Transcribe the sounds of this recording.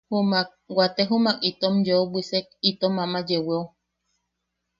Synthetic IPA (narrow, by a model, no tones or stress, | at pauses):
humak̚wat̪eɦumakit̪omjoobʷisek̚it̪omamajeweo